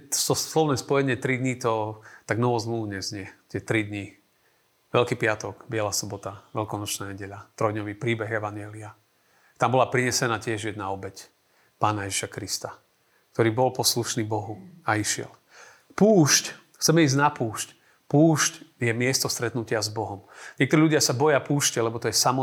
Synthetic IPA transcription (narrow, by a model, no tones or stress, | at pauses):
sɔslɔʋnɛːspɔjɛɲɪɛt̪ɾid̪ɲit̪ɔt̪aɡnɔʋɔzmluʋuɲɛzɲɪɛt̪ɪɛt̪ɾid̪ɲi | ʋɛʎkiːpɪat̪ɔɡbɪɛlasɔbɔt̪aʋɛʎkɔnɔt͡ʃnaːɲɛɟɛʎat̪ɾɔjd̪ɲɔʋiːpɾiːbɛɣɛʋaɲjɛlia | t̪ambɔlapɾiɲɛsɛnaːcɪɛʒjɛd̪naɔbɛc | paːnajɛʒiʃakɾist̪a | k̚t̪ɔɾiːbɔlpɔsluʃniːbɔɦuaiʃɪɛ̰l | puːʃc | xt͡sɛmɛiːznapuːʃc | puːʃcjɛmɪɛst̪ɔst̪ɾɛt̪nucɪazbɔɦɔmɲɪɛk̚t̪ɔɾiʎuɟɪasabɔjapuːʃcɛlɛbɔt̪ɔjɛsamɔ